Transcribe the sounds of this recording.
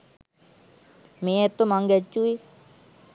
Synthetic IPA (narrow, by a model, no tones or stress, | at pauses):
meet̪ːomaŋɡɛt͡ʃːui